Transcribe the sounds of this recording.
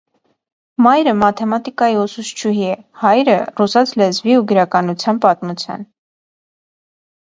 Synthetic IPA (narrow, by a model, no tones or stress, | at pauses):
mɑjɾəmɑt̪ʰɛmɑt̪ikɑjiɔsuʃt͡ʃʰuɦiɛhɑjɾərusɑt͡sʰlɛzviuɡəɾɑkɑnut͡sʰjɑnpɑt̪mut͡sʰjɑ̰n